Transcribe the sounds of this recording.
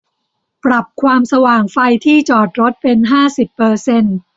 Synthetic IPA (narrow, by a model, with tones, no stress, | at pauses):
pɾa˨˩p̚kʰwaː˧msa˧waː˨˩ŋfa˧jt̪ʰiː˥˩t͡ɕɔː˨˩t̪̚ɾo˦˥t̪̚pe˧nɦaː˥˩si˨˩pːɤː˧se˧n